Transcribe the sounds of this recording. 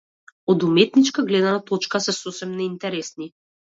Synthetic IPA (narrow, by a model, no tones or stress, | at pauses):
od̪umɛt̪nit͡ʃkaɡlɛd̪anat̪ɔt͡ʃkasɛsosɛmnɛint̪ɛɾɛsni